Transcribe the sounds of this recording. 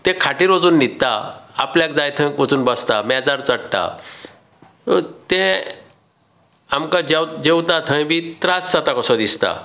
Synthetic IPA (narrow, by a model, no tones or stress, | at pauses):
t̪ẽkʰaʈiɾod͡zuːnːit̪ːa̰apljakd͡zajt̪ʰə̃kod͡zuːnbəst̪amɛd͡zaɾt͡səɽʈ̪a̰ | t̪ẽ | amkad͡ʑad͡ʑewt̪at̪ʰə̃jbʱit̪ɾasːat̪akɔsɔd̪ist̪a̰